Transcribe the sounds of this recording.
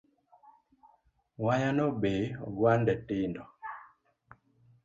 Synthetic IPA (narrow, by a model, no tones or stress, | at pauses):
waɲanɔbebwandɛtindɔ